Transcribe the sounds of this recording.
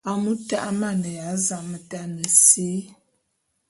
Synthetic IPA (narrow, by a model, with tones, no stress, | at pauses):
a˨mu˦ta˦ʔa˦ma˦˨nə˨ja˨˦za˨mə˨ta˦nə˨se˦